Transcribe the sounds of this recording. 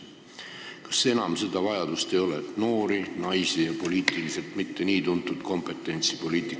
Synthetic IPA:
kɑ̥sːe̞nɑmse̞d̪̥ɑvɑjɑd̪̥ust̪e̞jo̞let̪no̞ːɾinɑjsijɑpo̞liːt̪ˑilise̞lt̪ˑmit̪ːe̞niːt̪unt̪ːˑud̪̥ko̞mpˑe̞t̪ːˑe̞nʲt̪sipo̞liːt̪ˑik

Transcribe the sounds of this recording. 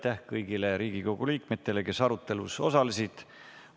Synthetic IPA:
t̪ːæhkɤjɡile̞ɾiːɡ̥iko̞ɡ̥uliːkme̞t̪ːˑe̞le̞ke̞sɑɾut̪ːˑe̞lṵso̞̰sɑlisid̪̥

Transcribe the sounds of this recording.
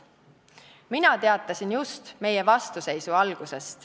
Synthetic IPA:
minɑt̪e̞ɑt̪ːˑɑsʲinjust̪me̞jevɑst̪use̞jsuɑlɡ̥use̞st̪

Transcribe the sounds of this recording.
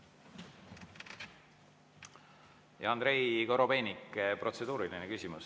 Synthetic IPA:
jɑɑnd̪ɾe̞jko̞ɾo̞pe̞ːnikːpro̞t̪se̞d̪uːɾilinekysʲimus

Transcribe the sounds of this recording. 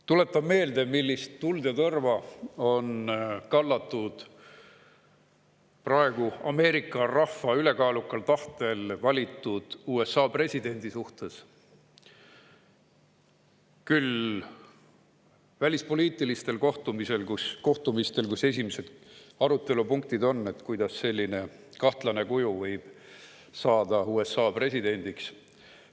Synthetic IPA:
t̪ule̞t̪ːˑɑbme̞ːld̪̥e̞milːist̪ːuld̪̥jɑt̪ɤrvɑo̞nkɑlːɑt̪ːˑud̪̥ | prɑe̞ɡ̥uɑme̞ːɾikːˑɑrɑhfːɑyle̞kɑːlukːˑɑlt̪ɑht̪e̞lvɑlʲit̪ːˑud̪̥uːe̞sːɑːpre̞sʲid̪̥e̞nʲd̪̥isuht̪e̞s | kyl | vælʲispo̞liːt̪ːˑilist̪e̞lkoht̪umise̞lkusko̞ht̪umist̪e̞lkuse̞s̬ʲimese̞d̪̥ɑɾut̪ːˑe̞lupuŋk̚t̪id̪o̞nːe̞t̪kujd̪ɑsːe̞lʲːine̞ | kɑht̪lɑne̞kujuvɤjb̥ | sɑːd̪̥ɑuːe̞sːɑːpre̞sʲid̪e̞nʲd̪̥iks

